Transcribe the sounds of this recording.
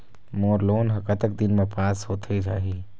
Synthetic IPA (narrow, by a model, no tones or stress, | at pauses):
moːɾloːnɦɐkat̪ək̚d̪ɪnmẽpaːshoːt̪ʰiɾaɦiː